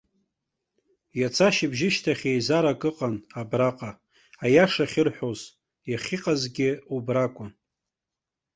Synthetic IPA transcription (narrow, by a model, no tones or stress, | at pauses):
jat͡sʰaʃibʒɪʃtʰaχʲejzaɾakʼɨqʼanabraqʼa | ajaʂaχʲɪrħʷᶣoz | jaχʲiqʼazɡʲɪubrakʷʼʊn